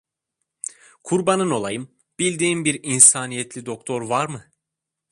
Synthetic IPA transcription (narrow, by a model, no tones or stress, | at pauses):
kʰuɾbanɯno̞lˠajɯm | b̥ilʲd̪iːmbiɾinsaːnijɛt̪ʰlʲid̪o̞kt̪ʰo̞ɾvaɾmɯ